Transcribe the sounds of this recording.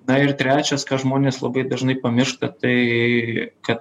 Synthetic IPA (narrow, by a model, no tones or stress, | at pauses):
nɐɪrt̪ʲɾʲæːt͡ʃʲɛskɑːʒmoːnʲeːslˠɐbɐɪd̪ɐʒnɐɪpɐmʲɪʃt̪ɐt̪ɐɪ | kɐt̪̚